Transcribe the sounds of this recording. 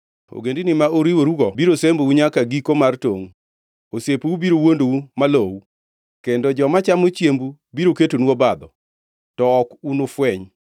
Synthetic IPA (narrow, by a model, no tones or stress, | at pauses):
o̰ɡendinɪmaoɾiwoɾuɡɔbiɾosembowuɲakaɡikomartoŋ | osepubiɾowondoumalowu | kendod͡ʒɔmat͡ʃamot͡ʃjembu | biɾoketonwobad̪ɔ | tɔɔkunofwɛɲ